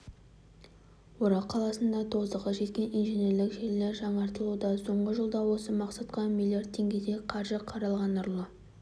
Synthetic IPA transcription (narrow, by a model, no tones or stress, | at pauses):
woɾɑqʰːɑlˠɑsənd̪ɑt̪ʰo̞zəʁɑʒe̞t̪kʲe̞nijnʒeneɾlɪkʒeɾleɾʒɑɴɑɾt̪əlˠud̪ɑso̞ɴʁəʒəlˠd̪ɑwo̞səmɑqsɑt̪qɑmilˠijard̪̚tʰːeŋɡʲe̞d̪eqʰɑɾʒəqʰɑɾɑlˠʁɑnʊɾlˠə